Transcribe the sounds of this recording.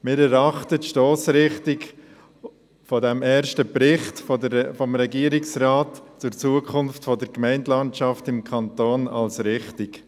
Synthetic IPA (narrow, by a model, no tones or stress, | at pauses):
mɪːɾɛɾɑχtətʃtoːsɾɪχtɪk | fɔdɛmɛːɾʃtəpɾɪχtfɔfɔmɾɛɡiːəɾɪksɾaːtt͡sʊɾt͡suːəkʰʊnftfɔdəɾkmɛɪndlɑntt͡ʃɑftɪmkʰɑntoːnɑ̰lsɾɪχtɪk